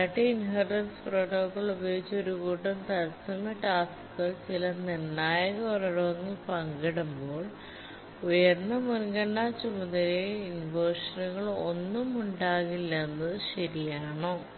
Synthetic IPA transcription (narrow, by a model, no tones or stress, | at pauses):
ɐʈːeinɦɐrd͡ʑɐnsproːʈoːkːɐɭubɐjeɡit͡ɕːɐo̞ɾukuːʈːɐmt̪ɐɾɐsɐnːɐʈaːskɣɐɭt͡ɕilɐnirnaːjɐɣɐurɐɽuʋɐŋːɐɭpɐŋɡɐɽumbo̞ːɭ | ujɐɾnːɐmunɡɐɳɖaːt͡ɕumɐðɐɾeinʋoːʂɐnuɣɐɭo̞nːumuɳɖaːɣilːɐnːɐɕɐɾijaːɳoː